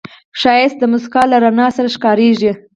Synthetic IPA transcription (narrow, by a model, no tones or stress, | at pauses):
ʃɑjɪs̚d̪əmʊskɑlaɾanɑsaɾaʃkɑɾeʒi